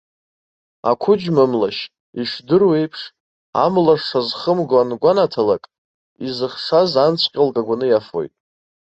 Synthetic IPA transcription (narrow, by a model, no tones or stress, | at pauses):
a̰kʷʰʊd͡ʒmamlaʃ | iʂdɨrwejpʰʂ | a̰mlaʂʂazχəmɡanɡʷanatʰalakʼ | izɨχʂazant͡ɕʷʰʼqʲʼɪlkʼaɡʷanɨjafo̞̰jtʼ